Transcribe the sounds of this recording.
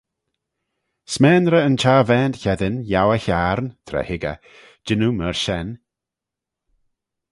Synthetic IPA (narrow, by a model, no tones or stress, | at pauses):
smɛːnɾəənt͡ʃaːvɛːndçɛdɪnjawəçaːɾnt̪ʰɾɛ̰hɪɡə̰ | d͡ʒɪnuməɹʃɛn